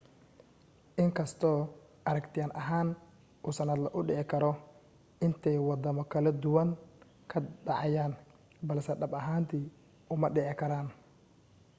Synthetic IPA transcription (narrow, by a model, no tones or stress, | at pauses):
ʔɪŋkʰɐst̪ʰɔː | ʔɐɾɐkt̪ʰɪjaːnʔɐɦaːn | uːsɐnɐd̪lɐʔʊɖɪʕɪkʰɐɾɔ | ʔɪnt̪ʰɛjwɑd̪ɐmɔkʰɐlɐd̪ʊwɐn | kʰɐɖɑʕɑjaːn | bɐlsɛɖɐbɐɦaːnt̪ʰiː | ʊmɐɖɪʕɪkʰɐɾaːn